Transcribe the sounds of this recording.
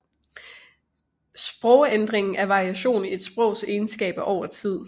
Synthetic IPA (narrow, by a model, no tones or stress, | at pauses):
sb̥ʁɔʊend̥ʁeŋn̩ʔæɐʋɑ̈ʁiæɕo̝̰ːnie̝d̥sb̥ʁɔ̽ʊ̰seːnsɡ̥ɛ̰ːb̥æʔɒʊ̰ɐt͡sʰið̞̰ˠ